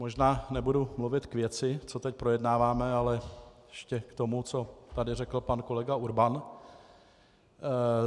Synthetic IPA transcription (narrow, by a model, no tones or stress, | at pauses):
moʒnaːnɛbudumluvɪt̪kvjɛt͡sɪt͡so̞t̪ɛc̚pɾojɛdnaːvaːmɛalɛjɛʃcɛkt̪o̞mut͡so̞t̪adɪrɛkl̩panko̞lɛɡauɾban